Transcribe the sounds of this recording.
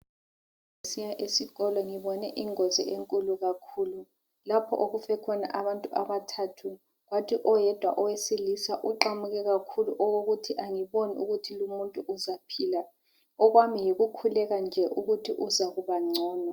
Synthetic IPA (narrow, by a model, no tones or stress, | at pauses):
ŋesijaʔesiɣɔlɔŋiβɔnɛʔiŋɔzḭʔeŋkʼuluɣakʰuːlu | lapʰɔ̰ʔoɣufɛkʰɔna̰ʔaβantʼuʔa̰βatʰatʰu | ɣwatʰiʔɔjɛd̥ʱwaʔɔwesilisaʔuǃamuɣɛɣakʰuluʔɔɣoɣutʰiʔaŋiβoniʔuɣutʰilumuntʼuʔuzapʰiːla | ɔɣwamijiɣukʰulɛɣand͡ʒʱɛʔuɣutʰiʔuzaɣuβaŋ͡ǀʱɔːna